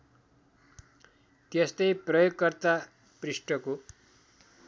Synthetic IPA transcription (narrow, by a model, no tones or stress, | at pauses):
t̪est̪ʌjprʌjoɡ̚kʌrt̪a | prisʈʌko